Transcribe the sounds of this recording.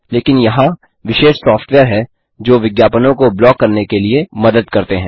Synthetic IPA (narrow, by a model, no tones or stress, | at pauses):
leːkɪnjɐɦã | ʋɪʃeːʃsɔːfʈʋeːəɾɦɛ | d͡ʒoːʋɪɡjaːpənõkoblɔːkːɐɾnekeliemɐd̪əd̪̚kɐɾt̪eɦɛ̃ː